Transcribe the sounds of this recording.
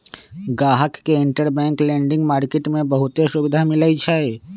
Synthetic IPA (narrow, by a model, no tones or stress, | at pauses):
ɡaːɦəkːeɪ̃ɳʈəɾbɛ̃ːŋklɛ̃ːɳɖɪ̃ŋɡmaːɾkeːʈmẽbɐɦʊt̪eʃʊbɪd̪ʱamɪlait͡ʃʰaːeː